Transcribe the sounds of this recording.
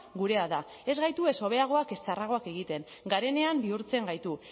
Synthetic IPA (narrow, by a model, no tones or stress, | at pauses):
ɡuɾe̞aða | e̞zɣajt̪ue̞so̞β̞e̞aɣ̞o̞ake̞st͡ʃaraɣ̞o̞ake̞ɣit̪e̞ŋ | ɡaɾe̞ne̞ambiuɾt͡se̞ŋɡajt̪u